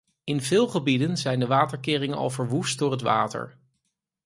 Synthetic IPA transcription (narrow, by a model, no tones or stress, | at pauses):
ɪnvɪːlˠχəbidənzɛjndəʋaːtəɹkɪːrɪŋənɑ̰lˠvəɹʋust̚dʊːɹətʋa̰ːtə̰ɹ